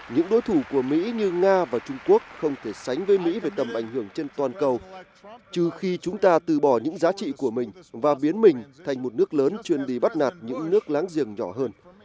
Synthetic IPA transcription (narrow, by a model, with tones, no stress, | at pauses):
ɲɨ̰˧˥ŋɗo˨˦jt̪ʰu˧˩ku˧˩əmḭ˧˥ɲɨ˧ŋaː˧vaː˨˩t͡ɕʊ˧ŋ͡mku˦˥ək̚xə˧wŋ͡mt̪ʰe˧˩sa˨˦jŋ̟vəː˨˦jmḭ˧˥ve˨˩t̪ə˨˩mʔa˧˩jŋ̟hɨ˧˩əŋt͡ɕe˧nt̪waː˨˩nkə˧w | t͡ɕɨ˧˩xi˧t͡ɕʊ˨˦ŋ͡mt̪aː˧t̪ɨ˨˩ɓɔ˧˩ɲɨ̰˧˥ŋzaː˨˦t͡ɕḭ˧˨ku˧˩əmï˨˩ŋ̟vaː˨˩ɓi˨˦ənmï˨˩ŋ̟t̪ʰa˧˩jŋ̟mo˨˩t̚nɨ˦˥ək̚ləː˨˦nt͡ɕwi˧ənɗi˧˩ɓa˦˥t̚naː˨˩t̚ɲɨ̰˧˥ŋnɨ˦˥ək̚laː˨˦ŋzi˨˩əŋɲɔ˧˩ɦəː˧n